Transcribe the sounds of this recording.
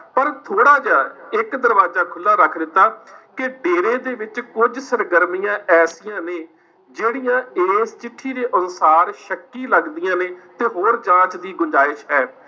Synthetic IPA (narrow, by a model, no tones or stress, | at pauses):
pəɾt̪ʰoːɽaːd͡ʒaːɪkd̪əɾʋaːzaːkʰʊlːaːɾəkʰd̪ɪt̪ːaːkɪɖeːɾẽːd̪eːʋɪt͡ʃkʊd͡ʒsəɾɡəɾmijãːʔɛːsɪjãːneː | d͡ʒeːɽijãːeːst͡ʃɪʈʰːiːd̪eːʔənsaːɾʃəkːiːləɡd̪ɪijãːneːt̪eːɦoːɾd͡ʒãːt͡ʃd̪iːɡʊɲd͡ʒaːɪʃɦɛː